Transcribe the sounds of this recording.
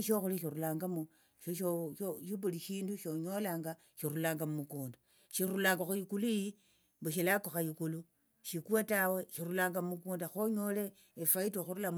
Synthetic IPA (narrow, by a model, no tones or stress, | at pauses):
ʃoxuliʃiɾulaːŋɡamu | ʃoʃooʃiβuliʃiːnduʃoɲolaːŋɡa | ʃiɾulaːŋɡamumukuːnda | ʃiɾulaːŋɡaxujikuluji | mbeʃilakoxajikulu | ʃikuwataweʃiɾulaːŋɡamumukuːndaxoɲoleː | faitoxuɾula